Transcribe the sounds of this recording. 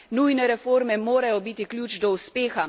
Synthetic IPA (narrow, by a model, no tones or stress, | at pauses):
nujnɛɾɛfoːɾmɛmoːɾajɔbiːt̪iklʲjuːt͡ʃd̪ɔuspeːxa